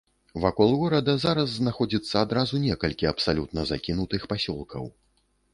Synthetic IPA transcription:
vakɔlˠɣɔɾɐd̪ɐzaɾɐzːnaxɔd͡zʲit̪sːɐad̪ɾazunʲɛkɐlʲkʲiɐpsalʲut̪nɐzakʲinut̪ɨxpasʲɔlˠkʰɐ̰w

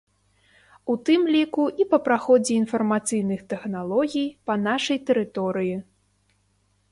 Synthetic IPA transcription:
ut̪ɨmlʲikuʔipɐpɾaxɔd͡zʲɛinfɐrmat̪sɨjnɨxt̪ɛxnalˠɔɣʲijpɐn̪aʂɐjt̪ɛɾɨt̪ɔɾɨji

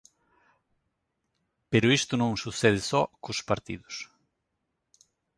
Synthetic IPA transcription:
peɾʊist̪ʊnõŋsuθɛð̞ɪsɔkʊspaɾt̪ḭðʊs

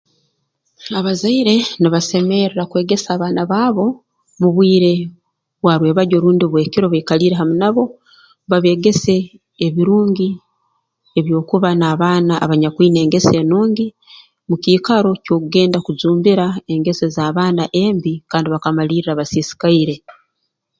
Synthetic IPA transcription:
aβazaiɾe̞niβase̞me̞ɾɾakwe̞ːɡe̞saːβaːnaβaːβo̞ | muβwiːɾe̞ | βwaɾwe̞ːβaɟo̞ɾuːndiβwe̞ːkiɾo̞βaikaliːɾe̞ɦamunaβo̞ | βaβe̞ːɡe̞se̞ː | βiɾuːŋɡi | e̞βjo̞ːkuβanaːβaːna̰ːβaɲakwiːne̞ːŋɡe̞se̞nuːŋɡi | mukiːkaɾo̞co̞ːkuɡe̞ːndakuzuːmbiɾae̞ŋɡe̞sezaːβaːnaʔe̞ːmbikaːndiβakamaliːɾiɾaβasiːsi̥kaiɾe̞

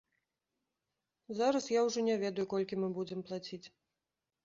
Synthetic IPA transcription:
zaɾɐsjawʐɔnʲɛvʲɛd̪ɐjukɔlʲkʲimɨbud͡zʲɛmplˠat͡sʲit͡sʲ

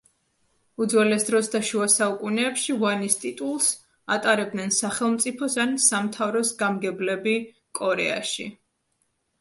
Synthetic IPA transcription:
ud̪zwɛlɛsd̪ɾɔsd̪aʃuasaukʼunɛːpʃivanist̪ʼit̪ʼulˠs | a̰t̪ʼaɾɛb̚d̪nɛnsaχɛlˠmt̪sʼipʰɔsansamt̪ʰavɾɔsɡamɡɛblɛbi | kʼɔɾɛ̰a̰ʃḭ

